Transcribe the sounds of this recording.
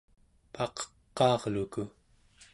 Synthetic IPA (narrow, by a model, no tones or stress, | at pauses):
pɑqʌ̥qːɑːʁluku